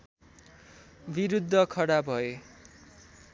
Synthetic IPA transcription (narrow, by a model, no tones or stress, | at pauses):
biɾud̪ʱːʌkʰʌɽabʱʌe